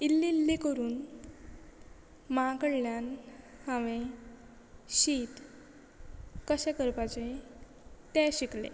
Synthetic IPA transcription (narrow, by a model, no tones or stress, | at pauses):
ilːĩlːekəɾuːn | maakəɽljanhãʋẽ | ɕiːt̪ | kəɕɛ̃kəɾpat͡ɕe | t̪ɛ̃ɕiklḛ